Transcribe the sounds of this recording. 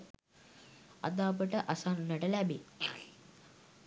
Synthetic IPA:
ɐ̰d̪aːp̬əʈəʔasaːnunːəʈəlæbi

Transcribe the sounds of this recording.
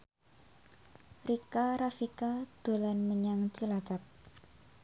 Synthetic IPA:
rikaɾafikad̪̥o̤lanməɲaŋt͡ʃəlat͡ʃap̚

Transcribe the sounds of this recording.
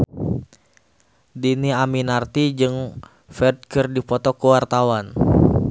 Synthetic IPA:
diniaminart̪id͡ʒɨŋ | fɛd̚kərdipɔt̪ɔkəwart̪awan

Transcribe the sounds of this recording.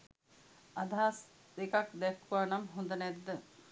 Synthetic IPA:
ad̪ʱaaːs | d̪ekakd̪ɛkʰːuʋaːnamɦund̪ənɛd̪ːə

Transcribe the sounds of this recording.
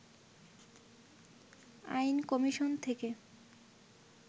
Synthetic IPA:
a̰jnkɔmiʃont̪ʰeke

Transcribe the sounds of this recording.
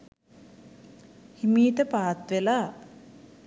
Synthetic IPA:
himiːt̪əpaːt̪ʋelaː

